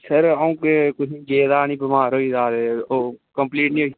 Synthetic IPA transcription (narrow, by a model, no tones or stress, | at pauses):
səɾaũːkekʊd͡ʒiɡeːd̪aːnĩːbəmaːɾɦoːid̪aːɾeoːkə̃mpliːʈnĩɦoːi